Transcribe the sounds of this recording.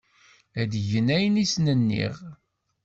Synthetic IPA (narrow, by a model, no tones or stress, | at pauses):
æd̪ʝənæjənisnənːḭʁ